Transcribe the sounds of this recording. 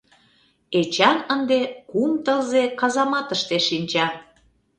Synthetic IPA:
et͡ɕɑnənd̪ekumt̪əlzekɑzɑmɑt̪əʃt̪eʃinʲt͡ɕɑ

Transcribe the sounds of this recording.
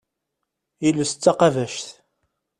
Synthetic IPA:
jiləst͡sːɑqɑvæʃθ

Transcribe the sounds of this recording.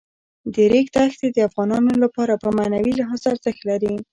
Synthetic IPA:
d̪əɾekt̪axt̪ed̪əafɣɑnɑnolapɑɾapəmanawilaɦɑzaːɾzəxt̪laɾi

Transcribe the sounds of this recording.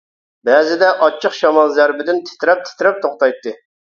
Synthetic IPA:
bɛːzɪd̪ɛʔɑt͡ʃʰːəqʃɑmɑlˠzæɾbɪd̪ɪnt̪ʰɪ̥t̪ɾɛp̚t̪ʰɪ̥t̪ɾɛp̚t̪ʰoχt̪ɑjt̪ːɨ

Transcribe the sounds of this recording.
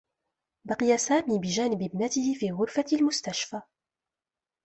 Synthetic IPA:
bɑqɪjasaːmibɪʒaːnɪbɪbnat̪ɪhɪfiːɣʊɾfalmʊst̪aʃfa

